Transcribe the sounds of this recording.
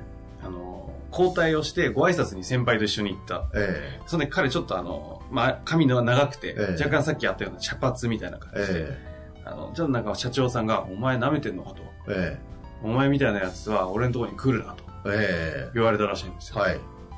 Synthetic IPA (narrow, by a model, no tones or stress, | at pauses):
ano̞ | kʰo̞ːt̪aio̞ɕi̥t̪e̞ɡo̞aisat͡sɨɲ̟isẽ̞mpait̪o̞iɕːoɲ̟iit̪ːaeso̞nd̪ekʰaɾe̞t͡ɕo̞t̪ːo̞ano̞̰makamʲinoanaɡakɯ̟̥t̪e̞̰d͡ʑak̬ːãɰ̃sakʲːijat̪ːajo̞ːnaɕapat͡sɨmʲit̪aina̰kãɲd͡ʑiie | a̰no̞̰t͡ɕot̪ːnãŋkaɕat͡ɕo̞ːsãŋɡaomae̞name̞t̪e̞nːokat̪o | e | omae̞mʲit̪ainajat͡sɨβ̞ao̞ɾe̞nt̪̬ooɾoɲikɯːɾɯ̟nat̪o̥ | iβ̞aɾe̞t̪aɾaɕĩːnd̪e̞sɨji